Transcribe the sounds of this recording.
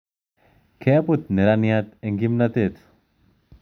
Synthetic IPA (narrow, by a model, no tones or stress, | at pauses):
kʰejaput̪̚neɾanijat̪eŋɡimnat̪et̪